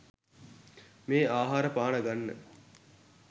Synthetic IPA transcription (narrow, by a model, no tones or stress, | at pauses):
meːaːɦaːɾəpaːnɐɡanːə̰